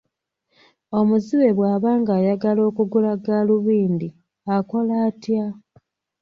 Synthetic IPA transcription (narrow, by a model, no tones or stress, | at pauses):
o̞muziβe̞βwaːβaːŋɡaːjaɡalo̞ːkuɡulaɡaluβiːndi | ako̞laːtja